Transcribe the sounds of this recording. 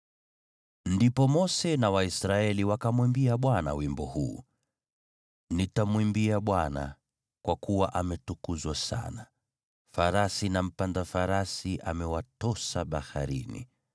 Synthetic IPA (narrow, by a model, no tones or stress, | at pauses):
ndipɔmɔsɛnawaisɾaɛliwakamwimbiaɓwana̰wimbɔhṵː | nitamwimbiaɓwana̰ | kwakuwaʔamɛtukuzwasa̰na | faɾasinam̩pandafaɾasiʔamɛwatɔsaɓaha̰ɾḭnḭ